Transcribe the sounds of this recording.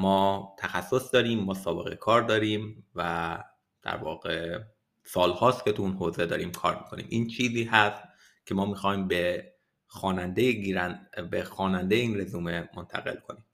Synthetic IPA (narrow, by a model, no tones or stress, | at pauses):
mɒːt̪ʰæxæsːo̞sd̪ɒːɾiːmːɒːsɒːbe̞ɣe̞̰kʰɒːɾd̪ɒːɾiːmvæ | d̪̥æ̰ɾvɒ̰ːɣe̞ | sɒːlhɒːst̪kʰʲe̞t̪ʰuunɦoːze̞d̪ɒ̰ːɾiːmkʰɒ̰ːɾmi̥kʰo̞nḭːmʔiːnt͡ʃʰiːziːhæst̪̚ | cʰe̞mɒːmixɒːhiːmbe | xɒːnænd̪ejiɾæbexɒːnænd̪ejeiːnɾezuːme̞mont̪ʰæ̰ɣe̞lkʰo̞niːm